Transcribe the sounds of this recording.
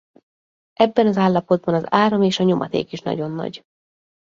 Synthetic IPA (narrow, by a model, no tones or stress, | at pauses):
ʔɛbːɛnɒzaːlːɒpo̞d̪̚bɒnɒzaːɾomeːʃɒɲo̞mʔɒ̰t̪ḛːkiʃnɒ̰ɟo̞nːɒ̰ɟ